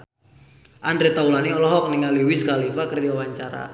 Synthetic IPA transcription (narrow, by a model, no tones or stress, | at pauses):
ʔandɾet̪aulaniɔlɔɦɔk̚niŋaliwisəkalipakərawaɲt͡ʃaɾa̰